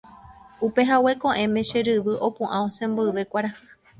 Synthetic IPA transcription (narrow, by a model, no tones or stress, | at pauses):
upe̞ɦawe̞kõʔẽ̞mẽ̞ʃeɾɨʋɨʔo̞pũʔãõsẽ̞mboɨʋe̞kʷaɾa